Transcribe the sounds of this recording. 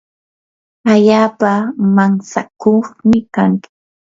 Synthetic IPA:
aʎaːpamaŋsa̰koχmɪkaŋkɪ̥

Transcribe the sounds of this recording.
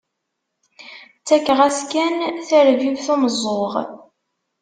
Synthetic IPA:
t͡sːækːʁæskænθəɾvivθuməzˤːoʁ

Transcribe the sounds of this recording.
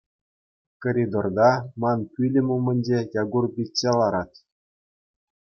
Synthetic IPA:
koɾʲid̪ord̪ɑmɑnpʲylʲɘ̆mʲumʲɘ̆nʲd͡ʑejɑɡurbʲitʲːelˠɑɾɑt̪

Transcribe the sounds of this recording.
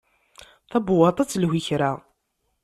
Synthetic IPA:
θæbʊwɑt̪ˤɑt͡sːlhiçɾa

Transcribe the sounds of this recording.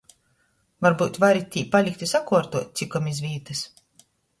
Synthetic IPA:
vaɾbuːt̪vaɾit̪ʲːiːpalʲikt̪ʲisakuɔɾt̪uɔt̪̚ʲt̪sikɔmizvʲiːt̪ɨs

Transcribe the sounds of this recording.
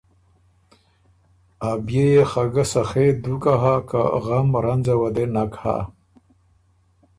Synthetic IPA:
abjejexaɡasaxed̪ukaɦaka̰ɣamɾanzawad̪enakha̰

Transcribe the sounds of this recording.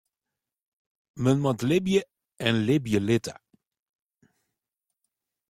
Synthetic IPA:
mənmɑtlɪbjə | ɛnlɪbjəlɪtə̰

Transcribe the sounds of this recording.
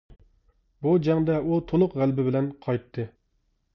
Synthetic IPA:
bud͡ʒɛŋd̪ɛut̪ʰolˠʊqʁælbɪbɪlɛnqʰɑjt̪ʰːɨ

